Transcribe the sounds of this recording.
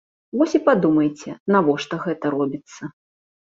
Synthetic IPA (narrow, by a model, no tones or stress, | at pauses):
vɔsʲipad̪umɐjt͡sʲɛnavɔʂt̪ɔɣɛt̪ɐɾɔbʲit̪sːɐ